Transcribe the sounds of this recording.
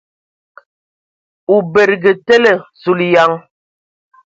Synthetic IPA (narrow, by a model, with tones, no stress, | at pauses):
u˨be˨ɾɡə˨te˦lə˨su˨lja˦ŋ